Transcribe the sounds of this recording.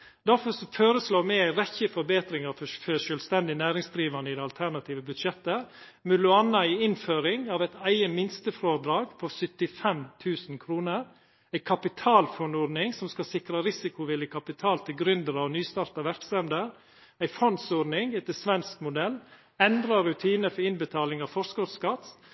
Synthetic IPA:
d̪æɾfɔsɔføːɾəsloːmɛɪæɪɾɛçːəfɔɾbeːt̪ɾɪŋɑffœʃœːlst̪ɛnd̪ɪnæːɾɪŋsd̪ɾiːʋɑnəɪd̪ɛɑlt̪ʰæɾnɑt̪ʰiːʋəbʉd̪ʃɛt̪ːə | mʉlʊɑnɑæɪɪnføːɾɪŋɑːʋɛɪt̪æɪəmɪnst̪əfɾoːɾd̪ɾɑːɡpʰɔɾsœt̪ɪfɛmt̪ʰʉːsn̩kʰɾuːnəɾ | æɪkʰɑpɪt̪ʰɑːlfɔnɔɾnɪŋsɔmskɑsɪkɾɑɾɪsɪkʊʋɪləkʰɑpɪt̪ʰɑːlt̪ʰɪlɡɾʏnd̪əɾɑɔnyːst̪ɑːɾt̪ɑʋæɾksɛmd̪əɾ | æɪfɔnsɔɾnɪŋɛt̪əsʋɛnskmʊd̪ɛlː | ɛnd̪ɾɑɾʉt̪ʰiːnəfɔɾɪnbət̪ʰɑːlɪŋɑʋfɔɾskɔskɑt̪

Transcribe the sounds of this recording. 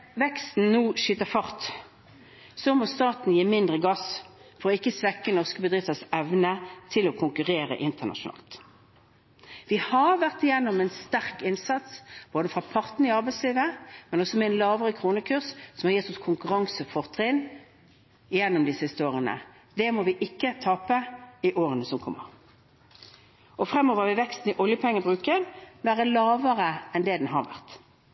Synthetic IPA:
ʋɛkst̪n̩nuːʃyːt̪əfɑʁt̪ | sɔmoːst̪ɑːt̪n̩jiːmɪnd̪ʁəɡɑsfɔʁɔɪkːəsʋɛkːənɔʁskəbəd̪ɾɪft̪əsɛʋnət̪ʰɪlɔkʰʊŋkʉʁeːɾə̰ʔɪnt̪əʁnɑ̰ʃʊnɑ̰ːlt̪ | ʋɪhɑʋæʁt̪ɪjɛnːɔmɛnst̪æʁkɪnsɑt̪sb̥oːd̪əfʁɑpʰɑʁt̪n̩ɪɑʁbæɪsliːʋəmɛnɔsɔmɛɛnlɑːʋəʁəkʰɾuːnəkʰʉʁssɔmhɑʁjɪt̪ːɔskʰʊŋkʉʁɑŋsəfɔʁt̪ʰʁɪn | ɪjɛnːɔmd̪ɪsɪɪst̪əoːʁənə̰ | d̪ɛmɔʋɪʔɪkːət̪ʰɑːpəɪʔoːʁənəsɔmkʰɔmːə̰ʁ | ɔfʁɛmːɔːʋəʁʋɪʋɛkst̪nɪʔɔljəpʰɔɛŋːəbʁʉːkənʋæːɾəlɑːʋəʁəɛnd̪ɛd̪ɛnɦɑʁʋæ̰ʁt̪

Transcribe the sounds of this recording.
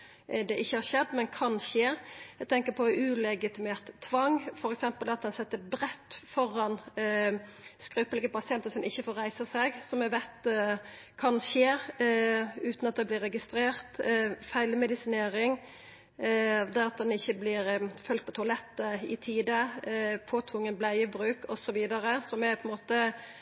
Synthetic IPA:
d̪ɛʔɪçːəhɑɾʃɛd̪ːmɛnkʰɑnʃeːɛɡt̪ʰɛŋkəɾpʰɔʉːlɛɡɪt̪ɪmeːɾt̪ʰːʋɑŋfɔɾɛksɛmpəld̪ɛɑt̪̚d̪ɛnsɛt̪ːəɾbɾɛt̪ːfɔɾɑn | skɾʉːpəlɡəpɑsɪɛnt̪əsɔmʔɪçːəfoːɾæɪsəsɛɡsɔmɛʋæɪt̪ | kʰɑnʃeː | ʉːt̪nɑt̪̚d̪ɛblɪɾːɛɡɪst̪ɾeːɾt̪fæɪlmɛd̪ɪsɪneːɾɪŋ | d̪æʁɑt̪̚d̪ɛnɪçːəblɪɾfʉlt̪̚pʰɔt̪ʰʊɑlɛt̪ːəɪt̪ʰiːd̪əpʰoːt̪ʰʋʊŋːənblæɪəbɾʉːkɔsɔʋiːd̪ɑɾəsɔmɛpʰɔɛɪnmoːt̪ə

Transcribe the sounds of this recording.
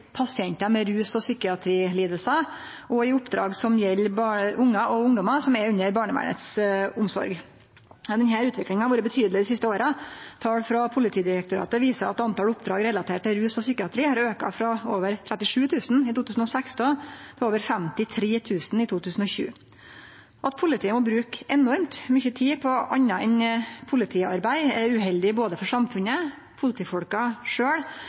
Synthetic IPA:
pʰɑsɪɛnt̪əmɛɾʉːsɔsykɪɑt̪ʰɾiːliːd̪əlsə | ʔɔɪʊpd̪ɾɑ̰ːɡsɔmjɛlːbɑʔʊŋːɑʔɔʊŋd̪ɔmɑsɔmɛɾʉɲːəɾbɑːɳəʋæ̰ːɳə̰t̪sʊmsɔ̰ɾɡ | d̪ɛnɦæːɾʉːt̪ʋɪklɪŋənɑʋuːɾəbət̪ʰyːd̪lɪd̪ɪsɪst̪əoːɾət̪ʰɑːɽfɾɑpʰʊlɪt̪ʰiːd̪ɪɾɛk̚t̪ʊɾɑ̰ːt̪əʋiːsəɾɑ̰t̪ɑnt̪ɑːləʊpd̪ɾɑːɡɾɛlɑt̪ʰeːʈ̚ʈ̪ːɪlɾʉːsɔsyːkɪɑt̪ʰɾiːhɑɾøːkɑ̰fɾɑoːʋəɾt̪ʰɾɛt̪ːɪʂʉːt̪ʰʉːsn̩ɪt̪ʰuːt̪ʰʉːsn̩ɔsæksd̪op̪ʰɔoːʋəɾfɛmt̪ɪt̪ʰɾeːt̪ʰʉːsn̩ɪt̪ʰuːt̪ʰʉːsn̩ɔçʉ̰ː | ɔɑt̪̚pʰʊlɪt̪ʰiːəmɔbɾʉːkɛnɔɾmt̪mʏçət̪ʰiːpʰɔɑ̰ɲːɑɛnpʰʊlɪt̪ʰiːɑɾbæɪɛɾʉɦɛld̪ɪboːd̪əfɔʂɑmfʉnə | pʰʊlɪt̪iːfɔɽkɑʂøːɽ

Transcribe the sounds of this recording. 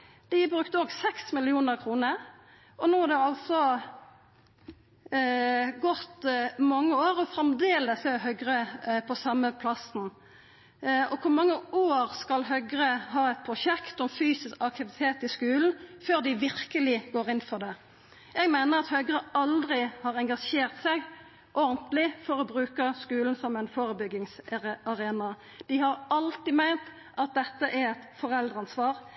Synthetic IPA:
d̪̥ɪbʁʉkt̪əoːɡsɛksmɪlɪuːnəʁkʰʁuːnəɾ | ʔɔnoːhɑd̪ɛɑlsɔ | ɡɔt̪mɑŋːəoːɾɔfɾɛmd̪eːləsɛɦœʏɡʁəpʰɔsɑmːəpʰlɑsn̩ | ɔkʰʊʁmɑŋːəoːʁskɑlɦœɡʁəɦɑːɛt̪̚pʰʁʊʃɛkt̪ɔmfyːsɪskɑk̚t̪ɪʋɪt̪ʰeːt̪ɪskʉːln̩føːʁd̪ɪʋɪɾkəlɪɡoːɾɪnfɔʁd̪ɛ | ɛɡmæɪnəʁɑt̪hœʏɡɾəɑld̪ɾɪhɑːʁɛŋɡɑʂeːʁt̪sæɪɡ | ʔɔɾnt̪lɪfɔɾɔbʁʉːkəskʉːln̩sɔmɛɪnfoːɾəbʏɡːɪŋsɑɾeːnɑ | d̪̥ɪhɑʁɑlt̪ɪmæɪnt̪ | ʔɑt̪̚d̪ɛt̪ːəʔɛɾɛt̪fɔɾɛld̪ʁɑnsʋɑːʁ

